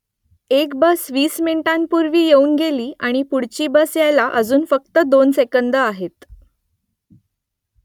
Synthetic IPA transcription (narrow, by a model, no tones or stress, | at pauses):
ekbəsʋiːsminʈãnpuɾʋiːjeuːnɡeliːaɽ̃ipuɽt͡ɕiːbəsjajlaʔəd͡zuːnfək̚t̪əd̪onsekənd̪əaɦet̪